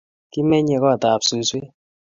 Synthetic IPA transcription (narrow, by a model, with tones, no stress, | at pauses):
ki˦mɛ˦ɲɛ˨kɔ˦a˨ta˨psu˨swe˦